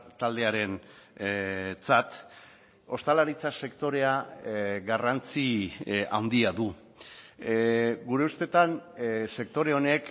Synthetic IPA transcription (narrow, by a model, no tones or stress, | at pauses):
t̪ald̪e̞aɾe̞n | t͡sat̪ | o̞st̪alaɾit͡sase̞kt̪o̞ɾe̞aɣarant͡sia̰wnd̪iaðu | ɡuɾe̞ust̪e̞t̪anse̞k̚t̪o̞ɾe̞o̞ne̞k